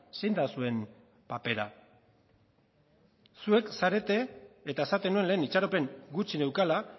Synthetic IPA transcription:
sejnd̪asue̞m | pape̞ɾa | sue̞ksaɾe̞t̪e̞ːt̪aesat̪e̞nue̞nle̞ːnit͡ʃaɾo̞pe̞ŋɡut͡ʃine̞wkala

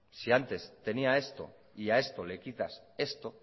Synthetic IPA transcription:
siant̪e̞st̪e̞niae̞st̪o̞̰ | iae̞st̪o̞le̞kit̪ase̞st̪o̞

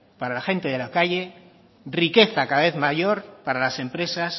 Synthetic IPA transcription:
paɾalaxe̞nt̪e̞ðe̞lakaʝe̞ | rike̞θakaðaβe̞θmaʝo̞ɾpaɾalase̞mpɾe̞sas

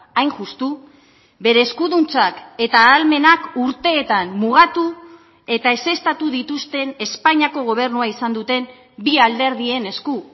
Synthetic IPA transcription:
ajŋʝust̪u | be̞ɾe̞ːskuðunt͡sake̞t̪aːlme̞nakuɾt̪e̞ːt̪anmuɣ̞at̪u | e̞t̪ae̞se̞st̪at̪uðit̪ust̪e̞ne̞spaɲiako̞ɣ̞o̞β̞e̞ɾnuaisand̪ut̪e̞m | biald̪e̞ɾðie̞ne̞sku

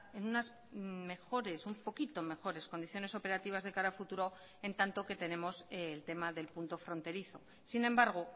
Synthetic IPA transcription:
e̞nunaz | me̞xo̞ɾe̞sumpo̞kit̪o̞me̞xo̞ɾe̞sko̞nd̪iθjo̞ne̞so̞pe̞ɾat̪iβ̞azðe̞kaɾafut̪uɾo̞ | e̞nt̪ant̪o̞ke̞t̪e̞ne̞mo̞selt̪e̞maðe̞lpunt̪o̞fɾo̞nt̪e̞ɾiθo̞ | sinẽ̞mbaɾɣ̞o̞

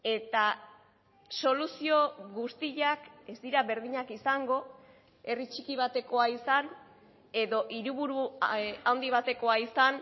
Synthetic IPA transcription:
e̞t̪a | so̞lusio̞ɣust̪iʎake̞zd̪iɾaβe̞ɾðiɲakisaŋɡo̞ | e̞rit͡ʃikiβ̞at̪e̞ko̞aisan | e̞ðo̞ʔiɾuβuɾuawnd̪iβ̞at̪e̞ko̞aisan

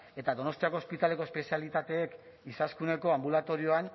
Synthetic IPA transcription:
e̞t̪aðo̞no̞st̪iako̞ːspit̪ale̞ko̞espe̞sialit̪at̪e̞ːk | isaskune̞ko̞ambulat̪o̞ɾio̞an

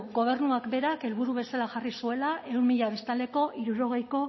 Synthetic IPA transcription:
ɡo̞β̞e̞rnuakbe̞ɾake̞lβuɾuβe̞salaʝarisue̞laʔe̞wnmiʎaβest̪ald̪e̞ko̞ʔiɾuɾo̞ɣ̞e̞jko̞

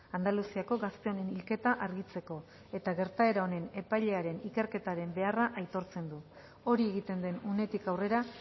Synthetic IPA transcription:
and̪alusiako̞ɣast̪e̞o̞ne̞nilke̞t̪aʔaɾɣit͡se̞ko̞ | e̞t̪aɣe̞ɾt̪ae̞ɾaone̞ne̞pajʎe̞aɾe̞nike̞ɾke̞t̪aɾe̞mbe̞araʔajt̪o̞ɾt͡se̞nd̪u | o̞ɾieɣ̞it̪e̞nd̪e̞nune̞t̪ikawre̞ɾa

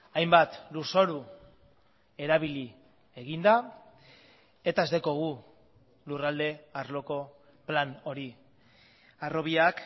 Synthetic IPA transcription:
ajmbat̪luso̞ɾu | e̞ɾaβili | e̞ɣind̪a | e̞t̪ae̞zd̪e̞ko̞ɣ̞u | lurald̪e̞aɾlo̞ko̞ | plano̞ɾi | aro̞βiak

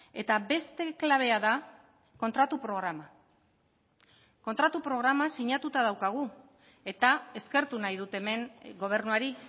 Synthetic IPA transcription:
e̞t̪abe̞st̪e̞klaβ̞e̞aða | ko̞nt̪ɾat̪upɾo̞ɣ̞ɾama | ko̞nt̪ɾat̪upɾo̞ɣ̞ɾamasiɲat̪ut̪að̞awkaɣ̞u | e̞t̪ae̞ske̞ɾt̪unajðut̪e̞me̞ŋɡo̞β̞e̞ɾnuaɾi

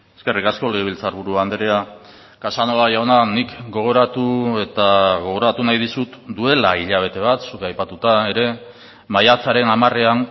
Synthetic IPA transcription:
eske̞rikasko̞leɣeilt͡saɾβuɾuand̪eɾea | kasanoaʝaonanikɡo̞ɣ̞o̞ɾat̪ue̞t̪aɣ̞o̞ɣ̞o̞ɾat̪unajðisut̪d̪ue̞laiʎaβ̞e̞t̪e̞β̞at̪sukeajpat̪ut̪ae̞ɾe̞ | majat͡saɾe̞namare̞an

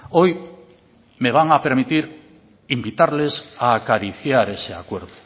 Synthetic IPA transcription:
oj | meβ̞aŋapeɾmit̪iɾ | imbit̪aɾlesaːkaɾiθjaɾeseakweɾðʊ

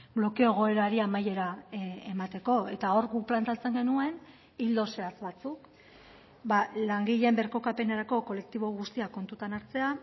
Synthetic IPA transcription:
blo̞keoeɣ̞o̞e̞ɾaɾiamaje̞ɾaemat̪e̞ko̞e̞t̪ao̞ɾɡukplant̪at͡se̞ŋɡe̞nue̞n | ild̪o̞se̞at͡sβat͡suk | balaŋɡiʎe̞mbe̞ɾko̞kape̞naɾako̞ko̞le̞k̚t̪iβo̞ɣ̞ust̪iako̞nt̪ut̪anaɾt͡se̞a

